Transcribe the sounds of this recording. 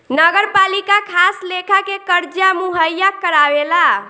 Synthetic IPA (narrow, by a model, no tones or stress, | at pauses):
nəɡəɾpalikakʰaslekʰakekəɾd͡ʒjamuɦəjakəɾabela